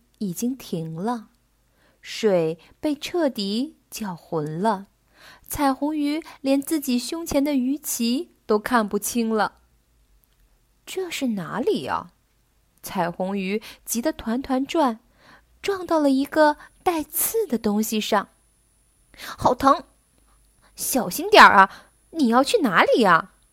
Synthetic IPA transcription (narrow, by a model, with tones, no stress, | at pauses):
i˨˩t͡ɕi˥ŋt̪ʰi˧˥ŋlə˧ | ʂwe˨˩ɪ | pe˥˧ɪʈ͡ʂʰɤ˥˩t̪i˧˥ | t͡ɕjɑ˨˩ʊxwə˧˥nlə˧ | t͡sʰa˨˩ɪxʊ˧˥ŋy˧˥ljɛ˧˥nt͡sɹ̩˥˩t͡ɕi˨˩ɕjʊ˥ŋt͡ɕʰjɛ˧˥nd̪ə˧y˧˥t͡ɕʰi˧˥t̪o˥ʊkʰa˥˧npu˥˩t͡ɕʰi˥ŋlə˨ | ʈ͡ʂɤ˥˧ʂɻ̩˥˩na˧˥li˨˩ɐ̰˧˩ | t͡sʰa˨˩ɪxʊ˧˥ŋy˧˥t͡ɕi˧˥d̪ə˧t̪ʰwa˧˥nt̪ʰwa˧˥nʈ͡ʂwa˥˩n | ʈ͡ʂwɑ˥˧ŋt̪ɑ˥˩ʊlə˩i˧˥ɡə˧t̪a˥˧ɪt͡sʰɹ̩˥˩d̪ə˩t̪ʊ˥ŋɕi˨ʂɑ˥˩ŋ | xɑ˨˩ʊt̪ʰɤ˧˥ŋ | ɕjɑ˨˩ʊɕi˥nt̪jɑ˞˨˩ʔɐ˦ | ni˨˩jɑ˥˧ʊt͡ɕʰy˥˩na˧˥li˨˩ɐ˦